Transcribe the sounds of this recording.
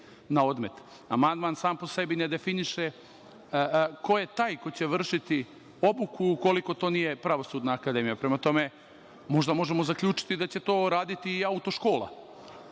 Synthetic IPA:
nao̞d̪me̞t̪ | amand̪maːnsaːmpo̞se̞bine̞d̪e̞finiʃe | ko̞jet̪aːjko̞jt͡ɕe̞ʋr̩ʃit̪i | o̞bukuuko̞liko̞t̪o̞ːnijepɾaʋo̞suːd̪naːkad̪e̞mijapɾemat̪o̞me̞ | mo̞ʒd̪amo̞ʒemozakʎʲuːt͡ʂi̥t̪id̪at͡ɕe̞t̪o̞ːɾaːd̪it̪iːaut̪o̞ʃko̞ːlˠa̰

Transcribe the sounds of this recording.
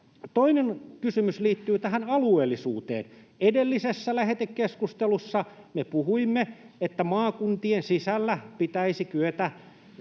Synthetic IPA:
t̪oinenkysymysliːt̪ːyːt̪æhænɑlueːlːisṵːt̪ḛːn | edelːisesːælæhet̪ekkeskust̪elusːɑ | mepuhuimːe | et̪ːæmɑːkunt̪iensisælːæpit̪æisik̪yøt̪æ

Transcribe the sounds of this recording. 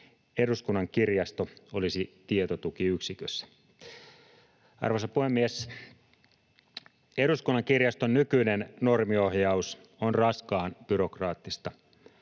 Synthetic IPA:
e̞ɾuskunːɑŋkirjɑst̪oo̞lisit̪iet̪ot̪ukiyksikøsːæ̥ | ɑ̰rʋosɑpuhemːies | eɾuskunːɑŋkirjɑst̪onnykyinenno̞rmio̞hjɑus | onrɑskɑːnb̥yɾo̞krɑːt̪ːist̪ɑ

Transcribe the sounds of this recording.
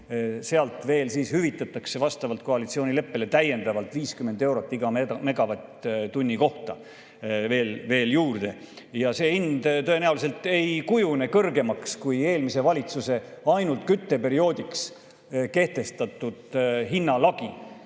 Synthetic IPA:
se̞ɑlt̪ˑve̞ːlsiːshyvit̪ːˑɑt̪ːˑɑkse̞vɑst̪ɑvɑlt̪̚ko̞ɑlit̪sio̞ːnʲile̞pːe̞le̞t̪æje̞nd̪ɑvɑlt̪ˑviːskyme̞nd̪e̞wɾo̞t̪ˑːiɡ̥ɑeme̞ɡɑvɑt̪t̪unʲːiko̞ht̪ɑ | ve̞ːlve̞ːljuːrd̪̥e̞ | jɑse̞ːind̪̥t̪ɤ̞e̞næulis̬e̞lt̪ˑe̞jkujune̞kɤrɡe̞mɑkskuje̞ːlmise̞vɑlʲit̪suse̞ɑjnult̪kyt̪ːe̞pe̞ɾio̞ːd̪iks | ke̞ht̪e̞st̪ɑt̪ːˑud̪̥ɦinːɑlɑɡ̥i

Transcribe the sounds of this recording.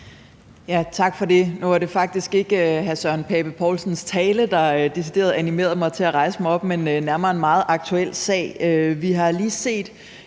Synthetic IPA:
jæt͡sʰɑ̈ɡ̥fɒ̽d̥e̝nuʋɑɾ̥e̝fɑ̈ɡ̥̚d̥isɡ̥e̝ɡ̥əøɦæsœɐnpʰɛːb̥əpʰɒːlsn̩st͡sʰɛːləd̥ɑ̈d̥e̝sid̥e̝ːɐð̩ˠænime̝̰ːɐðˠmɑ̈ɪt͡sʰe̝æʁɑ̈ɪsə̥mɑ̈ɪɒ̽b̥menønæɐmɐːe̝nmɑ̈ːð̞̩ˠʔɑ̈ɡ̥̚t͡sʰuel̰sɛ̰ːɪøʋiɦɑ̈liːse̝̰ːd̥

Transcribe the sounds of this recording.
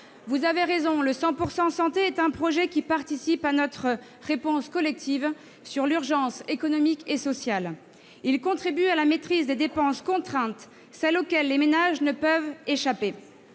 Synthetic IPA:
vuzaveʁezɔ̃ləsɑ̃puʁsɑ̃sɑ̃t̪eɛt̪ɛ̃pχɔʒɛkʲipaʁt̪isipanɔt̪χə | ʁepɔ̃skɔlɛk̚t̪ʰiv | syʁlyʁʒɑ̃sekɔnɔmikesɔsjal | ilkɔ̃t̪χibyalamet̪χizd̪ed̪epɑ̃skɔ̃t̪χɛ̃t̪ | sɛlokʲɛlːemenaʒnəpœveʃape

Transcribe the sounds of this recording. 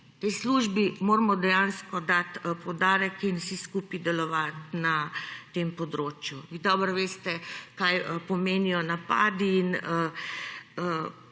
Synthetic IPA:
t̪ɛjsluːʒbimoːɾmɔd̪ɛjanskɔd̪at̪pɔd̪aːɾɛkinwsiskuːpid̪ɛlɔʋat̪nat̪empɔd̪ɾoːt͡ʃjuʋiːd̪ɔbəɾʋeːst̪ɛkajəpɔmeːnijɔnapaːd̪iːnə | ə

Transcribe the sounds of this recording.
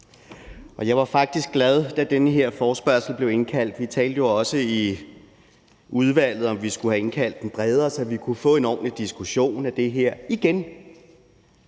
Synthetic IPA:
ʔɒ̽jɑ̈ɪʋɑ̈fɑ̈ɡ̥̚d̥isɡ̥læð̞ˠd̥æd̥enəɦe̝ɐ̰fɒːsb̥ɶɐsl̩b̥le̝ʊe̝nkʰæl̰d̥ʋit͡sʰɛ̰ːld̥əjo̝ɒ̽səi | ʔuð̞ˠʋæl̰ð̞̩ˠɒ̽mʋisɡ̥uhæe̝nkʰæl̰d̥enb̥ʁɛːð̞ˠɐsɒ̽ʋikʰufɔ̰e̝nɒ̰ːmid̥isɡ̥uɕo̝̰ːnæd̥e̝ɦeɐ̰iɡ̥en

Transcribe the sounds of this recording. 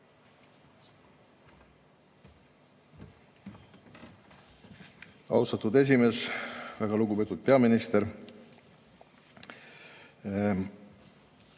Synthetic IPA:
ɑ̰wst̪ɑt̪ud̪e̞s̬ʲime̞ːsvæɡ̥ɑluɡube̞ːt̪ːˑut̪̚pe̞ɑminist̪eɾ

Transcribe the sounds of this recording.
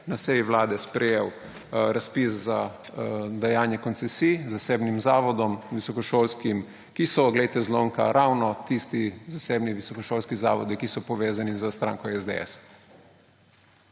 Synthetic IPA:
nasɛjiwlaːd̪ɛspɾɛjeːw | ɾaspisza | d̪ajaːnjɛkɔnt̪sɛsizaseːbnimzaːʋɔd̪ɔmʋisɔkɔʃoːlskim | kisɔɡlejt̪ɛzloŋka̰ɾʔawnɔt̪ist̪izaseːbniʋisɔkɔʃoːlskizaːʋɔ̰d̪ikisɔpɔʋeːzanizəst̪ɾa̰ːŋkɔɛzd̪ḛɛ̰s

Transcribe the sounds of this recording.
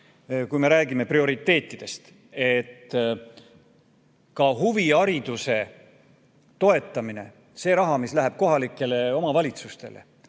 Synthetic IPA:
kujme̞ɾæːɡ̥ime̞prio̞ɾit̪ːe̞ːt̪ːˑid̪̥e̞st̪ | et̪ː | kɑɦuviɑɾid̪̥use̞ | t̪o̞e̞t̪ːˑɑmine̞̰ | se̞ːɾɑɦɑmislæɦæb̥̚ko̞ɦɑlikːˑe̞le̞o̞mɑvɑlʲit̪sust̪e̞̰le̞̰

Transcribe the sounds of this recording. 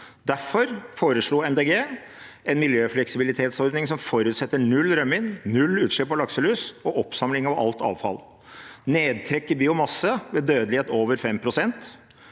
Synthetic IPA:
d̪æfɔɾfoːɾəʂɭuːɛnd̪eːɡeː | ʔɛnmɪljøːflɛksɪbɪlɪt̪ʰeːt̪sɔɾd̪nɪŋsɔmfɔɾʉːt̪sɛt̪ːəɳʉlɾœmːɪnnʉlːʉːt̪ʂɭɪpʰɔlɑksəlʉːsɔʔɔpsɑmlɪŋɑʋɑ̰lt̪ɑ̰ːʋfɑ̰l | neːd̪̚t̪ʰɾɛkːəbiːʊmɑsːəʋɛd̪øːd̪lɪheːt̪oːʋəɾfɛmpʰɾʊsɛnt̪

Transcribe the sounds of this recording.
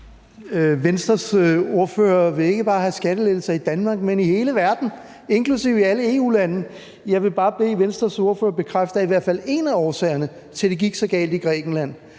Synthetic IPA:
ʋensd̥ɐso̝ɐfø̰ːɐʋe̝e̝ɡ̥əb̥ɑ̈ːɦæsɡ̥æɾ̥əle̥l̩sɐid̥ænmɑ̈ːɡ̥̚menihe̝ːləʋæɐd̥n̩ | e̝ŋkʰlusiʊ̰iæləe̝ṵːlænə | jɑ̈ɪʋe̝b̥ɑ̈ːb̥e̝̰ːʋensd̥ʁɐso̝ɐfø̰ːɐb̥e̝kʰʁafd̥ɐiʋæɐ̰fæle̝næɒːsɛ̰ːɐnə | t͡sʰe̝ld̥e̝ɡ̥iɡ̥sɒ̽ɡ̥ɛ̰ːld̥iɡ̥ʁɛ̰ːɡ̥n̩læn̰

